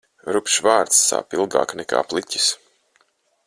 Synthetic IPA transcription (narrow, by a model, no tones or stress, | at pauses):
ɾupʃvaːɾt̪sːa̰ːpilˠɡa̰ːknɛka̰ːplˠicʲi̥s